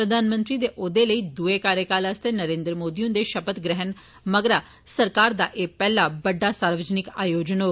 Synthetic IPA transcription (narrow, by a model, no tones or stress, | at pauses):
pɾəd̪ʱaːnmə̃nt̪ɾiːd̪eːʔoːd̪eləiːd̪uekaːɾjəkaːlaːst̪eːnəɾẽːnd̪ɾəmoːd̪iːõnd̪eːʃəpət̪ɡɾɛɦən | məɡɾaː | səɾkaːɾd̪aːʔeːpɛːlaːbəɖːaːsaːɾʋəd͡ʒnɪkaːjoːd͡ʒnoː